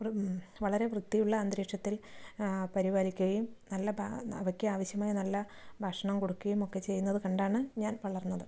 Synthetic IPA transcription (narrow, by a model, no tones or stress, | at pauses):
ʋɐɭɐɾe̞ʋrɨt̪ːijuɭːɐːnd̪ɾeːkʂɐt̪ːil | pɐɾibaːlikʲːuɣɐjumnɐlːɐbʱɐʋɐkʲːeaːʋɐɕjɐmaːjɐnɐlːɐ | bʱaːʂɐɳɐmkoɽukːuɣɐjumo̞kːe̞t͡ɕe̞jːunːɐðɨkɐɳɖaːɳɨɲaːnʋɐɭɐrnːɐðɨ